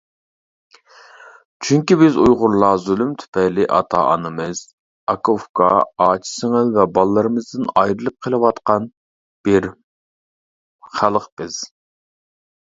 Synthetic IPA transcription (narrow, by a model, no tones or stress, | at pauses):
t͡ʃʰyŋkʲibɪzujʁʊɾlˠɑzylymt̪ʰy̥pʰɛjlɪʔɑ̰t̪ʰɑ̰ʔɑnɨmɨz̥ | ɑkʰofkʰɑ̰ɑːt͡ʃʰi̥sɪŋɨzvɛbɑlˠɨːɨɾɨmɨzd̪ɨnɑjɾɨlˠɨp̚qʰəlˠɨwɑt̪qɑn | b̥ɪɾ | χælˠəqb̥ɪz̥